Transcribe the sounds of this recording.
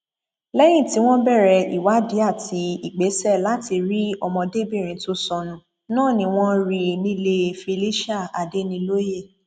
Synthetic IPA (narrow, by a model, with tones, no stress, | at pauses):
lɛ˦j̃ĩ˦˨ti˨˦w̃ɔ̃˦bɛ˦˨ɾɛ˧ḭ˨wa˨˦di˨˦a˦˨tʰi˨˦i˦˨k͡pe˨˦sɛ˦˨la˨˦ti˧ɾi˦ɔ˧mɔ̃˧de˦bi˦˨ɾ̃ĩ˨˦to˧˦sɔ̃˧nũ˨ | nãː˦˨nĩ˧w̃ɔ̃˦ɾi˧nĩ˦le˧fi˧li˦ʃa˦˨a˨de˦nĩ˧lo˦je˦˨